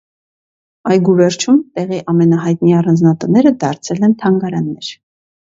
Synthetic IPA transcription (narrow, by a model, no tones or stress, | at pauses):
ɑjɡuvɛɾt͡ʃʰumt̪ɛʁiʔɑmɛnɑɦɑjt̪niɑrɑnd͡znɑt̪ənɛɾəd̪ɑɾt͡sʰɛlɛnt̪ʰɑŋɡɑɾɑnːɛɾ